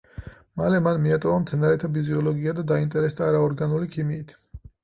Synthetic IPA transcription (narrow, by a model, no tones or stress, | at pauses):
malɛmanmiat̪ʼɔvamt̪sʰɛnaɾɛt̪ʰapʰiziɔlɔɡiad̪ad̪aint̪ʼɛɾɛsd̪aːɾaɔɾɡanulikʰimiːt̪ʰ